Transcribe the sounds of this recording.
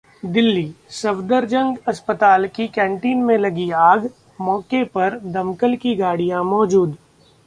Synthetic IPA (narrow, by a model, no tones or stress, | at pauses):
d̪ɪlːisɐbd̪əɾd͡ʒə̃ŋɡɐspət̪aːlkikɛ̃ːɳʈiːnmẽlɐɡiaːɡ | mɔːkepɐɾd̪ɐmkəlkiɡaːɽijãmɔːd͡ʒuːd̪